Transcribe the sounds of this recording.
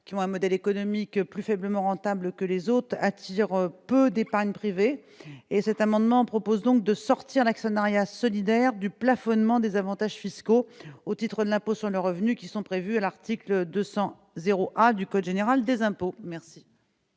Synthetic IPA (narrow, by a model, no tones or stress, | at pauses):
kʲiɔ̃ɛ̃mɔd̪ɛlekɔnɔmikplyfɛbləmɑ̃ʁɑ̃t̪abləkəlezot̪χat̪ʰiʁpød̪epaʁɲpχiveː | sɛt̪amɑ̃d̪mɑ̃pχɔpozd̪ɔ̃k̚d̪əsɔʁt̪iʁlaksənaʁjasɔlid̪ɛʁd̪yplafɔnmɑ̃d̪ezavɑ̃t̪aʒfiskoot̪it̪χəd̪əlɛ̃posyʁləʁəvnykʲisɔ̃pχevyalaʁt̪ikləd̪øsɑ̃ | zeʁoʔad̪ykɔd̪ʒeneʁald̪ezɛ̃pomɛʁsi̥